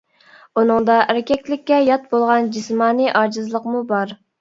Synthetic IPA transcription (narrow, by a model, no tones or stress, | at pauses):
unɨŋd̪ɑʔæɾɪkʲɛkʲlɪkʲːɛjɑt̪̚bolˠʁɑnd͡ʒismɑːniʔɑd͡ʒɨzlˠəqmubɑɾ